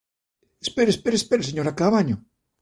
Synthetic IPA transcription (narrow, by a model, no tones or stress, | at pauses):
espeɾespeɾespeɾeseɲoɾakaβaɲo